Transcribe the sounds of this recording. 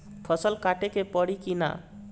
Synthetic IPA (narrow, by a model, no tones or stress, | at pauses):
pʰɔsəlkaʈekepɔɽikina̰